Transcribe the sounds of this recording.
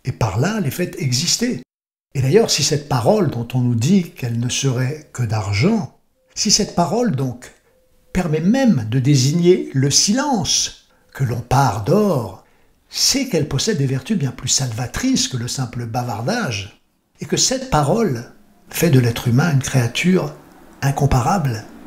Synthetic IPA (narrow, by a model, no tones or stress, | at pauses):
epaʁlalefɛt̪ɛɡzist̪e | ed̪ajœʁsisɛt̪̚paʁɔld̪ɔ̃t̪ɔ̃nud̪ikɛlnəsəʁɛkəd̪aʁʒɑ̃ | sisɛt̪̚paʁɔld̪ɔ̃k | pɛʁmɛmɛmd̪əd̪eziɲeləsilɑ̃s | kəlɔ̃paʁd̪ɔʁ | sɛkɛlpɔsɛd̪ːevɛʁt̪ybjɛ̃plysalvat̪χiskələsɛ̃pləbavaʁd̪aʒ | ekəsɛt̪paʁɔl | fɛd̪əlɛt̪χymɛ̃ynkχeat̪ʰyʁ | ɛ̃kɔ̃paʁabl